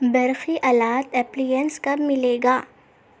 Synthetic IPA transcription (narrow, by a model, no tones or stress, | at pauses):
bɐɾxiʔɐlaːt̪ɛplijənskɐbmɪleːɡaː